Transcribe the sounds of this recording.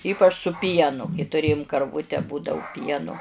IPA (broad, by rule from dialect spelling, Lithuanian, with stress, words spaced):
ˈiːpɐt͡ʃ sʊ ˈpʲiɛnʊ kɐɪ tʊˈrʲeːjʊm kɐrˈʋʊtʲɛ ˈbuːdɐʋʊ ˈpʲiɛnʊ